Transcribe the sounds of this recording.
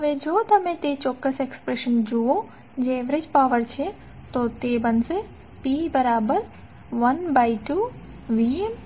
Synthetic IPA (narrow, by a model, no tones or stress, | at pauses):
ɐʋed͡ʒoːt̪ɐmẽt̪et͡ʃoːkːəsekspɾeʃənd͡ʒuːo | d͡ʒeːʋɾed͡ʒpaːʋəɾt͡ʃʰe | t̪oːt̪eːbɐnse | piːbɐɾaːbəɾ | ʋɐnbaːiʈuː | ʋiem